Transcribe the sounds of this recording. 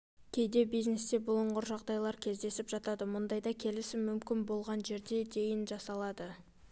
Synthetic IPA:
kʲʰe̞jd̪e̞bijzne̞st̪e̞bʊlˠəɴʁʊɾʒɑʁd̪ɑjlˠɑɾkʲʰe̞zd̪e̞sɪpʒ̥ɑt̪ɑd̪əmʊnd̪ɑjd̪ɑkʲʰe̞lɪsɪmːʏmkʲɪnbo̞lˠʁɑnʒe̞ɾd̪e̞d̪e̞jɪnʒɑsɑlˠɑd̪ə

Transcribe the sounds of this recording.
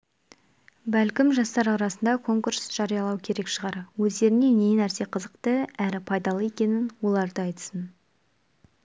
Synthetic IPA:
bælkʲɪmʒɑst̪ɑɾɑɾɑsənd̪ɑkʰo̞ŋkuɾsʒ̥ɑɾijɑlˠɑwkʲʰe̞ɾe̞kʃəʁɑɾwɵzd̪e̞ɾɪne̞ne̞næɾse̞qʰəzəqt̪əæɾɪpʰɑjd̪ɑlˠəe̞kʲe̞nɪnwo̞lˠɑɾd̪əɑjt̪ə̥sən

